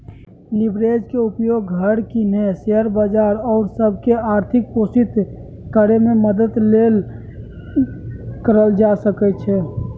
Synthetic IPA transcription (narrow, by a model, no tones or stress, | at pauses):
libɾed͡ʒkeupjoɡɡʱəɽkineseəɾbad͡ʒaɾɔːɾsəbʱkeaɾt̪ʰik̚posit̪ | kəɾememəd̪əd̪lel | kəɾəld͡ʒasəkɛt͡ʃʰɛ